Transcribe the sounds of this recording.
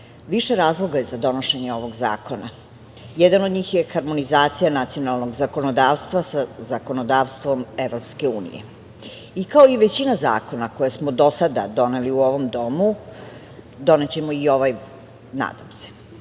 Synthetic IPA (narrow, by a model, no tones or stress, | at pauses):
ʋiʃe̞ɾaːzlˠo̞ɡaezad̪o̞no̞ʃeɲeo̞ʋo̞ɡza̰ːko̞na | jɛd̪ano̞d̪ɲiːxjexaɾmo̞nizaːt̪sijanat̪sio̞nalˠno̞ɡzako̞nod̪aːʋst̪ʋasazako̞nod̪aːʋst̪vʋo̞me̞ʋɾo̞pske̞ṵːnḭjḛ | ikaoiʋet͡ɕinaza̰ːko̞nakojasmod̪o̞sad̪a̰d̪o̞ne̞liuo̞ʋo̞md̪o̞mu | d̪o̞net͡ɕe̞moio̞ʋaj | na̰ːd̪amse̥